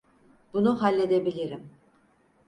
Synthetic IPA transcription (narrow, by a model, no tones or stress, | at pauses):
b̥unuɦalʲːe̞d̪ebilʲiɾim